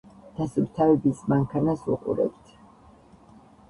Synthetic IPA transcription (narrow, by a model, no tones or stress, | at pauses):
d̪̥asuɾt̪ʰavɛbismaŋkʰanasuqʼṵɾɛ̰b̚t̪ʰ